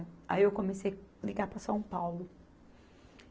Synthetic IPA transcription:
a̰iewkõmesejliɡaɾpɾɐsɐ̃w̃pawlʊ

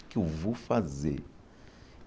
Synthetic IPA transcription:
kʼivufazɛ

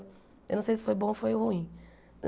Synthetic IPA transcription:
ewnɐ̃w̃sejsɪ̥fojbõfojhuĩ

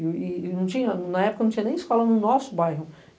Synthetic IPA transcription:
ɪnɐ̃w̃t͡ʃĩɲɐnɐɛpʊkɐnɐ̃t͡ʃĩɐ̃nẽj̃ɪskɔlɐnʊnɔsʊbajɦʊ

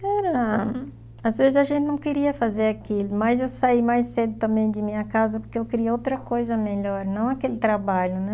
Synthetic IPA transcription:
kaɾɐɐ | azvezɪzɐʒẽnt̪ɪnɐ̃w̃keɾiɐfazeɾakilʊmɐzewsaimajsed̪ʊt̪ɐ̃mbẽj̃d͡ʒ̪ɪmĩɲɐkazɐpoɾkeewkɪɾiɐowt̪ɾɐkojzɐmeʎɔɾnɐ̃w̃akelɪt̪ɾabaʎʊnɛ

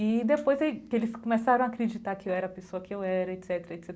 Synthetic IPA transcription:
id̪epojzekelɪskõmesaɾɐ̃w̃akɾed͡ʒit̪akɪewɛɾɐpesoɐkɪewɛɾɐet̪sɛt̪eɾɐet̪sɛt̪

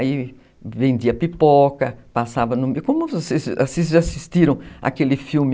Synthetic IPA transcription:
i | vẽnd̪iɐpipɔkɐpasavɐnʊmekõmʊvosezosezʒaasist̪iɾɐ̃w̃a̰kelɪfiwmɪ

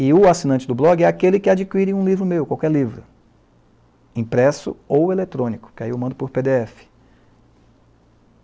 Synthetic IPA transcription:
ɪʊasinɐ̃t͡ʃɪd̪ʊblɔɡɪɛakelɪkɪad͡ʒikwiɾĩũlivɾʊmewʊkwawkɛɾlivɾʊ̰ | ĩpɾɛsʊ̰owelet̪ɾõnikʊ̥kɪaiewmɐ̃nd̪ʊpʊɾped̪eɛfɪ̥

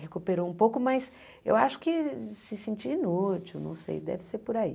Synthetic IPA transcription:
hekupeɾoũpowkʊmɐs | ḛwaʃʊ̥kɪsɪsẽnt͡ʃiinut͡ʃiwnɐ̰̃w̃sḛjd̪ɛ̰vɪseɾpʊɾaḭ

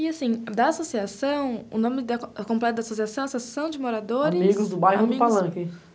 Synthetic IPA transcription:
ɪasĩd̪ɐasosiasɐ̃w̃ʊ̰nõmɪd̪ɐkõmplɛt̪ʊd̪ɐasosiasɐ̃w̃ɛasosiasɐ̃w̃d͡ʒɪmoɾad̪oɾɪmiɡʊzd̪ʊbajɦʊd̪ipalɐ̃kɪ

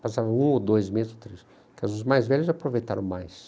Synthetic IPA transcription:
pasavɐ̃ũod̪ojzmezɪzot̪ɾes | kazʊzmajzvɛʎʊzapɾovejt̪a̰ɾɐ̃w̃majs

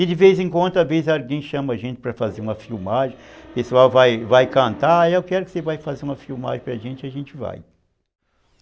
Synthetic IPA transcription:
ɪd͡ʒɪvejzẽkwɐ̃nd̪ʊavezɪzalɡẽj̃ʃɐ̃mɐaʒẽt͡ʃɪ̥pɾɐfazeɾũmɐfiwmaʒẽpesuawvajvajkɐ̃nt̪aaewkɛɾʊkɪ̥sevajfazeɾũmɐfiwma̰ʒẽpɾɐʒẽnt͡ʃɪaʒẽnt͡ʃɪva̰j

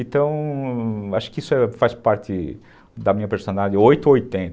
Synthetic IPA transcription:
ẽnt̪ɐ̃w̃ | aʃʊ̥kɪisʊɛfaspaɾt̪ɪ | d̪ɐmĩɲɐpeɾsond̪adɪ̃ojt̪ʊojt̪ẽnt̪

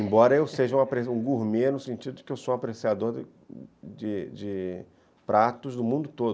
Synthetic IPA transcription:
ẽmbɔɾɐewseʒɐũapɾesũɡuɾmenʊsẽt͡ʃid̪ʊd͡ʒɪkɪewsow̃apɾesiad̪oɾ | d͡ʒɪd͡ʒɪ | pɾat̪ʊzd̪ʊmũnd̪ʊt̪od̪ʊ

